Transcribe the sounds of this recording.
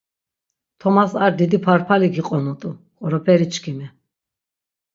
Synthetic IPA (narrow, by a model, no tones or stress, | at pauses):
t̪ʰɔmasaɾd̪id̪ipʰaɾpʰaliɡiqʼɔnut̪ʼu | χʼɔɾɔpʰɛɾit͡ʃʰkʰimɛ